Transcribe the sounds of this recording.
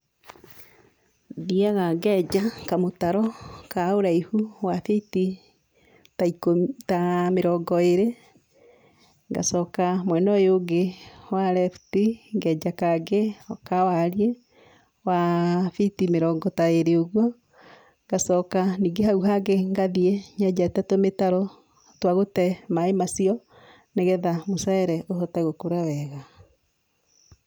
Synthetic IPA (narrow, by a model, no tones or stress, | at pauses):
diaɣaɡɛːd͡ʒakamotaɾɔkaoɾaihuwafiti | taikomtameɾɔɡɔeɾe | ŋɡa̰sɔkamwɛnɔjoɡewaɾɛftiŋɡɛd͡ʒakaɡekawaɾie | wafitimeɾɔɡɔtaeɾeoɣwɔ | ŋɡasɔkaniːŋɡehaɣuɦaɡeŋɡaðieɲɛɟatɛtometaɾɔ | twaɣotɛmaemasiɔ | neɣɛðamosaɛɾɛʔoɦɔtaɣokoɾawɛɣa